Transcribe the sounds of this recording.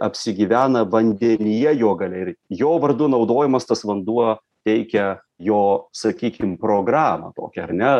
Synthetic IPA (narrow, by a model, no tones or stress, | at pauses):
ɐpʲsʲɪɡʲɪʋʲæːnɐʋɐnʲd̪ʲɛnʲɪjɛjoːɡɐlʲɛɪɾjoːʋɐrd̪unɒʊd̪oːjɪmɐst̪ɐsʋɐnd̪uɔ | t̪ʲɛɪkʲɛ | joːsɐkʲiːkʲɪmpɾoːɡɾɑːmɐ̰t̪o̰ːkʲɛɐrnʲɛ